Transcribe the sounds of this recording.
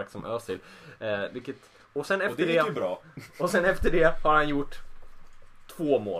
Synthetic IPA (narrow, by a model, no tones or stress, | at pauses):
ksɔmʔøːst̪ʰɪlvɪlkːət̪ | ɔsɛnɛfd̪əɖɛɾɑːɔsɛnɛft̪əɖɛhaɾhanjʊʈː | t̪ʰːvoːmo̰ː